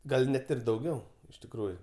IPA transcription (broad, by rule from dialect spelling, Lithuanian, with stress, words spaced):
ˈɡɐlʲ ˈnʲɛt ɪr dɐʊˈɡʲɛʊ ɪʃ tʲɪkˈruːjʊ